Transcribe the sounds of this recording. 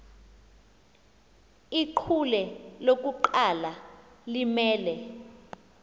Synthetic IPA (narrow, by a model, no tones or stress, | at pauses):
iǃʰulɛlok̬uǃala | limɛːlɛ